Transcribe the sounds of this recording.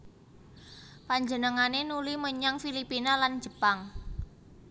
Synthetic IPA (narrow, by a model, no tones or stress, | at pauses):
paɲd͡ʒənəŋanenuliməɲaŋfilipinalan̥d͡ʒ̥əpaŋ